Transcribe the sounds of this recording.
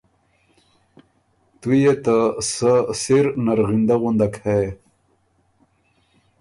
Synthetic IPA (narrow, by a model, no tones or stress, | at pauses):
t̪ujet̪asəsiɾnaɾɣind̪aɣund̪akʰae